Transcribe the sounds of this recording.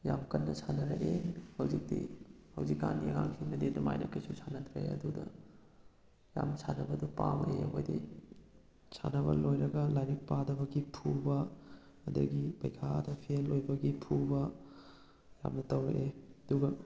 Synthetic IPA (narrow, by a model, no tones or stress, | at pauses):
jamkɐnːɐsʰanɐɾɐʔehɐwzik̚dḭhɐwzikːanieŋaŋkʰinɐdedɐma̰jnɐkijsusʰanɐt̪ʰɾɐḛɐ̰dudɐ | jamsʰanɐbɐdupamɐʔeɐ̰ɦojdḭ | sʰanɐbɐ̰lojɾɐɡɐlajɾik̚padɐbɐɡipʰubɐː | dɐ̰ɡipɐ̰jkʰadɐpʰielojbɐɡipʰubɐ | ja̰mnɐtɐwɾɐ̰ʔeɐduɡɐ